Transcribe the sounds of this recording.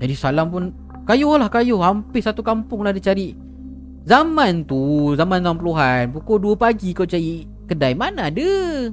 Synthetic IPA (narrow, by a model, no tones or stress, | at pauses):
d͡ʒadisalampʊn | kajʊhlahkajʊhɦampɪsat̪ukampʊŋlahdit͡ʃaɾiʔ | zamãnt̪uzamanzamampəluɦanpukɔduəpaɡikawt͡ʃaɾi | kədajmanadə